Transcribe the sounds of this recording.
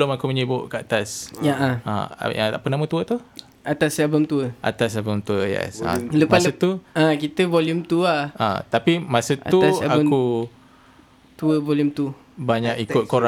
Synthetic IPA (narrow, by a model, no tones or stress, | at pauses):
əlʊmakuməɲəbʊʔkəat̪asjaʔaa̰a̰apənamə̃t̪uət̪u | at̪asɛlbəmt̪uəʔa̰t̪as̬ɛlbəmt̪uəjɛ̰sa̰ləpaət̪uakit̪əvɔljumt̪uahã̰t̪apimasəta̰uaɛabku | t̪uəvɔljumt̪u | baɲakikʊt̪̚koɾa